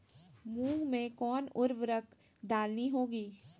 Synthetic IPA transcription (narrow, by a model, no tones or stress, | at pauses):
mũːmẽkɔːnʊɾʋɾəkʰ | d̪aːlniɦoːɡiː